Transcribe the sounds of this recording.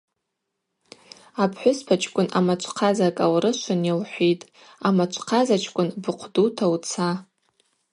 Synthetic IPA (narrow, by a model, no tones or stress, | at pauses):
apʰħʷʊspʰat͡ʃʰʼkʷʼʊnʔamat͡ʃʷʰqʰazakʼawɾɨʃʷʰanjawħʷitʼ | amat͡ʃʷʰʼqʰazat͡ʃʰkʷʼʊnbɨqʷʰdutʰawt͡sʰa